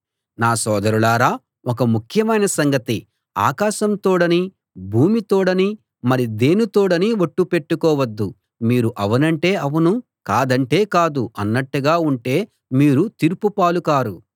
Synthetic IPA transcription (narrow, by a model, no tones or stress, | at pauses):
naːsɔːd̪ɐɾulaːɾaː | ɔkɐmukʰjɐmɐjnɐsɐŋɡɐt̪i | a̰ːkaːʃɐmt̪oːɽɐni | bʱuːmit̪oːɽɐni | mɐɾid̪e̞ːnut̪oːɽɐniʋoʈːupe̞ʈːukɔːʋɐd̪ːu | miːɾuʔɐʋɐnɐɳʈe̞ːɐʋɐnu | kaːd̪ɐɳʈe̞ːkaːd̪uɐnːɐʈːuɡaːuɳʈe̞ː | miːɾut̪iɾupupaːlukaːɾu